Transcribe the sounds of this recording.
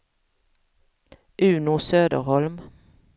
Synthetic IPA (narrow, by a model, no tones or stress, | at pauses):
ʔʉːnusøːd̪ə̰ʁhɔlm